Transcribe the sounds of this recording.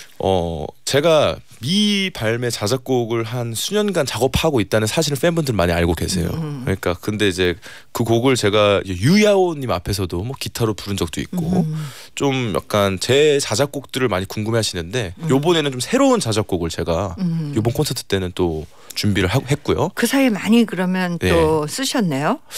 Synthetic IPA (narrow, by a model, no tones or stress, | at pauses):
ʌ̰t͡ɕe̞ɡa | mipaɭme̞t͡ɕad͡ʑak̚k͈oɡɯɭɦansʰuɲʌnɡant͡ɕaɡʌpʰaɡoit̚t͈anɯnsʰaɕʰiɾɯɭf͈enbɯndʰɯɾɭmaɲiaɭɡoɡe̞̰sʰe̞̰jo̰kɯɲik͈akɯnde̞id͡ʑe̞ | kɯkoɡɯɭt͡ɕe̞ɡaḭd͡ʑejuiaoɲːimapʰe̞s̬ʰʌdomwʌkitʰaɾopuɾɯnd͡ʑʌk̚t͈oḭt̚k͈o̰t͡ɕomja̰k̚k͈ant͡ɕe̞t͡ɕad͡ʑak͈ok̚t͈ɯɾɯɭmaɲikuŋɡɯmeaɕʰinɯnde̞jobone̞nɯnt͡ɕomsʰe̞ɾount͡ɕad͡ʑak͈oɡɯɭt͡ɕe̞ɡajobonkʰonsʰentʰɯ̥t͈e̞nɯnt͈o | t͡ɕumbiɾɯɭɦaɦe̞k͈ujo̰kɯsʰaiemaɲikɯɾʌmjʌnjeos͈ɯɕʰʌnːe̞jo